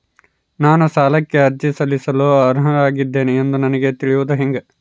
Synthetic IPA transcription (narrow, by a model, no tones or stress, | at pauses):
naːnusaːlɐkːe̞ɐɾd͡ʒisɐlːisɐloːɐɾɦɐɾaːɡid̪ːe̞ːneend̪unɐnɐɡet̪iɭijʋud̪uɦeŋɡe